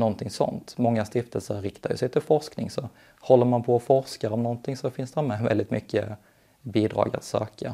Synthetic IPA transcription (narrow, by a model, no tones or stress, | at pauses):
nɔnt̪ʰɪŋsɔ̰nt̪mɔŋːast̪ɪft̪əlsəɾɾɪkt̪aɾjɵ̰sɛjt̪ʰɪlfɔʂknɪŋsɔ | hɔlːəɾmanpʰɔːfɔɾskaɾɔmnɔnt̪ʰɪŋsɔfɪnsd̪ɛhmɛvɛ̰ld̪ɪt̪mʏkːə̰ | biːd̪ɾɑ̰ːɡa̰t̪sø̰ːka